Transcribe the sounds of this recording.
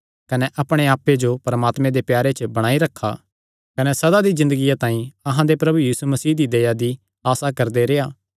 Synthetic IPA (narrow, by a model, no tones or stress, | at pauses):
kɐnɛʔɐpɽ̃eaːpːed͡ʒopɐɾɐmaːt̪mẽd̪epjaːɾet͡ʃbɐɽ̃aːiɾɐkʰːa̰ | kɐnɛsɐd̪ad̪izɪ̃nd̪əɡɪjat̪ãːĩɐɦãd̪epɾɐbujiːsumɐsiːd̪id̪ɐjad̪i | aːsakɐɾd̪eɾeːaː